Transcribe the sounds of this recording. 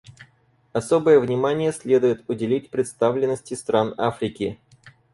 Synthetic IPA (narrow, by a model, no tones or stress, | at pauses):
ɐso̞bəjəvnʲɪmanʲɪjəsʲlʲe̞d̪ʊjɪt̪ʊdʲɪlʲitʲpɾʲɪt̪st̪avlʲɪnːəsʲtʲɪst̪ɾanafɾʲɪkʲɪ